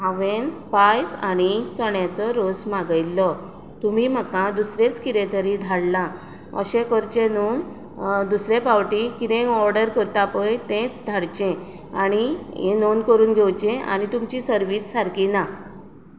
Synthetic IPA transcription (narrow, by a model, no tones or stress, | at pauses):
ɦaʋenpajsa̰nit͡sɔɳjat͡sɔɾosmaɡəjlːɔ | t̪umim̤akãd̪usɾẽt͡skiɾẽt̪ʰəɾĩd̪ʱaɽlã | ə̰ɕẽkəɾt͡ɕenon | d̪usɾepawʈikiɾẽkɔɾɖəɾkəɾt̪apəjt̪ẽt͡sd̪ʱaɽt͡ɕẽ | aɽ̃ijenonkəɾuːnɡʱewt͡ɕẽʔa̰ñit̪umt͡ɕisəɾʋisːaɾkina